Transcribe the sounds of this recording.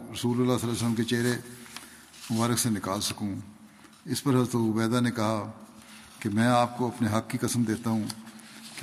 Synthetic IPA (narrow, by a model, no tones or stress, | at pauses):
ɾɐsuːlʊlːasəlːas̬ələmket͡ʃeːɾe | mʊbaːɾɪksenɪkaːlsɐkũː | ɪspɐɾɦɐzɾət̪ʊbɛːd̪anekɐɦa | kemɛ̃ːaːp̚koɐpneɦɐkːikɐsəmd̪eːt̪aɦũːk